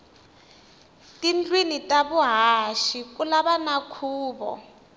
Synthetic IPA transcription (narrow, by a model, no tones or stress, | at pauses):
tind͡ɮwinitʼaβuɦaʃikulaβanakʰuːβɔ̰